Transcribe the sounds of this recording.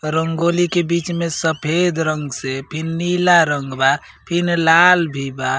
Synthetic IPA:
ɾəŋɡolikebit͡ʃmesəpʰed̪ʱɾəŋɡsepʰinːilaɾəŋɡba | pʰinlalbʱiba

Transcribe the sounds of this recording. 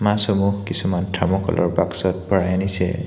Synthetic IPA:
mãsɔmuhkisumantʰɹamɔkɔ̰lʔɔ̰ɹbaksɔt̚pɔɹajanisɛ̰

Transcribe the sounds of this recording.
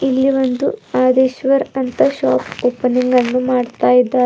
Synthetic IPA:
ilːiʋond̪uaːd̪eːʃʋɐɾɐnt̪ɐʃaːpoːpɐniŋɡɐnːumaːɖt̪aːjid̪ːaː

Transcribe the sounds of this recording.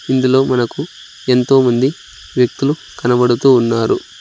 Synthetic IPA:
ind̪ulo̞ːmɐnɐku | e̞nt̪o̞ːmɐnd̪i | ʋjɐk̚t̪ulu | kɐnɐbɐɽut̪uːnːaːɾu

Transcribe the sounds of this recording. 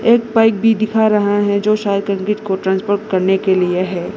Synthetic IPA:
eːk̚paːɪk̚bʱid̪ɪkʰaɾɐɦaɦɛd͡ʒoːʃaːd̪̚kɐ̃ŋkɪːʈkoʈɾãːnspoːɾʈkɐɾnekelieɦɛː

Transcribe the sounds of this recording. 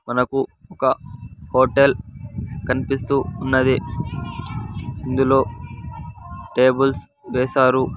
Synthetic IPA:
mɐnɐkuɔkɐhoːʈelkɐnipist̪uːnːɐd̪i | ind̪ulo̞ː | ʈe̞ːbuls | ʋeːsaːɾu

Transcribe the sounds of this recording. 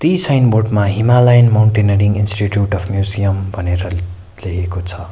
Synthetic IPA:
t̪isʌjnborʈmaɦimalajnmawɳʈeneɾiŋɡinsʈiʈjuʈʌpʰmjuzijʌmbʱʌneɾʌ | lekʰekot͡sʰʌ

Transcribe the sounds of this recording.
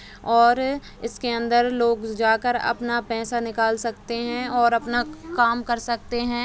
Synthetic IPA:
ɔːɾ | ɪskeɐ̃nd̪əɾloːɡd͡ʒaːkəɾɐ̰pnapɛːsanɪkaːlsɐkt̪eɦɛ̃ɔːɾɐpnakaːmkɐɾsɐk̚t̪eɦɛ̃ː

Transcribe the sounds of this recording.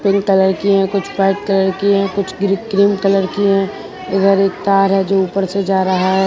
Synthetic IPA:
pɪ̃ŋɡkələɾkiɦɛ̃kʊt͡ʃʰpɾaɪʈ̚kələɾkiɦɛ̃kʊt͡ʃʰɡɾikɾiːmkələɾkiɦɛ̃ | ɐɡəɾeːk̚t̪aːɾɦɛd͡ʒoːuːpəɾsed͡ʒaːɾɐɦaɦɛ

